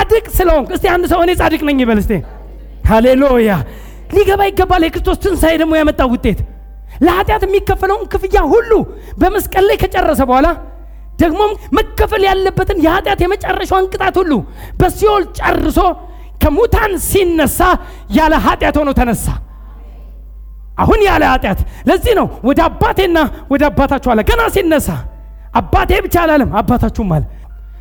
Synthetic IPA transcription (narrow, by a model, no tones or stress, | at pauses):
ad̪ɨkʼsɨləhonɨst̪ʰeand̪səho̞ne̞sʼad̪ɨkʼnəɲːiβəlɨst̪ʰḛ | haleluja | liɡəβajɪɡːəbːaljɛkɨɾɨst̪ʰo̞st̪ʰɨnsajd̪əɡ̚mo̞jamət̪ʼːawʊt̪ʼːe̞t̪ | ləhat̪ʼjat̪jɛmːikːəfːələwʊnkʰɨfɨjːahulːu | bəməskʼəlːejkʰət͡ʃʼɛrːəsəbəhala | d̪̥əɡmo̞mməkːəfəljalːəbːət̪ɨnjɛhat̪ʼjat̪jɛmət͡ʃʼɛrːəʃɛaŋkʼɨt̪ʼat̪hulːu | bəsiho̞lt͡ʃʼərːɨso̞ | kʰəmut̪ʰansinːəsːa | jaləɦat̪ʼjat̪honəwt̪ʰənəsːa | ʔahunjaləhat̪ʼjat̪ləzːihnəwwɔd̪əabːat̪ʰe̞nːawɔd̪əabːat̪ʰat͡ʃːɛwalːəɡənasinːəsːa | ʔabːat̪ʰe̞bɨt͡ʃːalalɨmːabːat̪ʰat͡ʃːumːal